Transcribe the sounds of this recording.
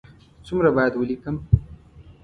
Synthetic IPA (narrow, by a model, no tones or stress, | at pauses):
t͡sumɾabɑjad̪wəlikəm